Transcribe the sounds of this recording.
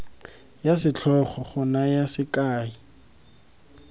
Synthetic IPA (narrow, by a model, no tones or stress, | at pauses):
jasɪt͡ɬʰɔχɔχʊnajasɪkaːi